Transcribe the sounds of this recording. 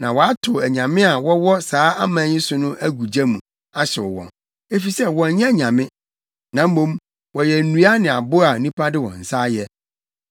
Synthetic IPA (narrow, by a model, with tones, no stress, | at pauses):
nã˨wɔ˨a˦tʰʊ˨æ˨ɲã˨mɪ̃˦a˨wɔ˦wɔ˦saː˨˦ʔa˦mãː˨˦ɲɪ̃˦sʊ˨nʊ̃˦ʔæ˦ɡu˨d͡ʑa˦mũ˨ | a˦ɕɪ˨ʊ̰˨wɔ̰̃˨n | e˦fi˨sɛ˦wɔ̃˨ɲ˦ɲɛ̃˦˨ɲã˨mɪ̃˦ | nã˨m̩˦mõ˦m | wɔ˨jɛ˨n̩˨nũ˦a˦nɪ̃˨a˨bʊ˦a˨nĩ˦pʰa˦dɪ˦wɔ̰̃˨n̩˨sa˦jɛ˦